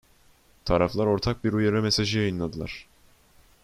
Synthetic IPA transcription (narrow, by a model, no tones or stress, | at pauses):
t̪ʰaɾaflˠaɾo̞ɾt̪ʰak̚biɾujeɾɛme̞saʒɯjajɯnlˠad̪ɯlˠaɾ̥